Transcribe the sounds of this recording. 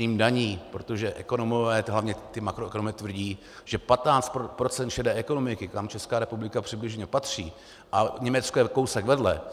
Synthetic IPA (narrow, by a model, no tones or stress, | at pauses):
iːmdaɲiːpɾot̪o̞ʒɛʔɛko̞nomovɛːɦlavɲɛt̪ɪmakɾoɛkonomɛt̪vr̩ɟiː | ʒ̥ɛpat̪naːt͡st̪pɾot͡sɛnt̪ʃɛdɛːʔɛko̞no̞mɪkɪkamt͡ʃɛskaːɾɛpublɪkapr̝̥ɪblɪʒɲɛpat̪r̝̥iː | ʔaɲɛmɛt̪t͡skojɛkowsɛɡvɛdlɛ